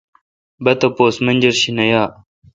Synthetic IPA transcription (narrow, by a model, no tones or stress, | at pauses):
bɐt̪ɐpoːsmɐnʲd͡ʑɐɾɕinɐjaː